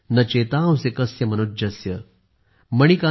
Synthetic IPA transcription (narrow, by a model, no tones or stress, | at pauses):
nɐt͡ɕet̪ãːwsekəsjəməñud͡ʑɐsjə | məɳ̃ika